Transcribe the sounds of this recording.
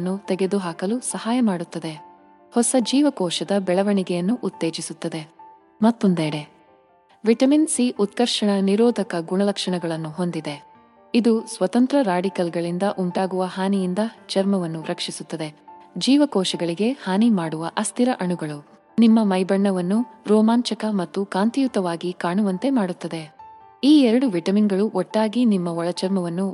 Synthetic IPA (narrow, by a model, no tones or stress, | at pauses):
nːut̪eɡe̞d̪uɦaːkɐlusɐɦaːjɐmaːɽut̪ːɐd̪e̞ | hɔsɐd͡ʒiːʋɐkɔːʃɐd̪ɐbɛɭɐʋɐɳiɡɛjɐnːuʔːt̪ːe̞ːd͡ʒisut̪ːɐd̪e̞ | mɐt̪ːond̪eːɽe | ʋiʈɐminsiʔut̪kɐɾʂɐɳɐniɾɔːd̪ʱɐkɐɡuɳɐlɐkʂɐɳɐɡɐɭɐnːuɦo̞nd̪id̪e̞ | id̪usʋɐt̪ɐnt̪ɾɐɾaːɖikɐlɡɐɭind̪ɐʔuɳʈaːɡuʋɐɦaːnijind̪ɐt͡ʃɐɾmɐʋɐnːuɾɐkʂisut̪ːɐd̪e̞d͡ʒiːʋɐkɔːʃɐɡɐɭiɡe̞haːnimaːɽuʋɐʔɐst̪ʰiɾɐʔɐɳuɡɐɭu | nimːɐmɐjbɐɳːɐʋɐnːuɾɔːmaːɲt͡ʃɐkɐmɐt̪ːukaːnt̪ijut̪ːɐʋaːɡikaːɳuʋɐnt̪e̞maːɽut̪ːɐd̪e̞ | iːɛɾɐɽuʋiʈɐminɡɐɭuʔɔʈːaːɡinimːɐɔɭɐt͡ʃɐɾmɐʋɐnːu